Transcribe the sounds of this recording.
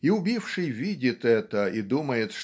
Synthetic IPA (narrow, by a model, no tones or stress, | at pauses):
iʊbʲifʂɨjvʲidʲɪt̪ɛt̪əid̪uməjɪt̪ʂ